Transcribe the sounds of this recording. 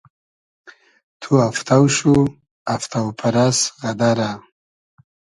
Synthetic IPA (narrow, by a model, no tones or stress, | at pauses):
t̪ʰuaft̪awʃu | aft̪awpʰaɾasɣad̪aɾa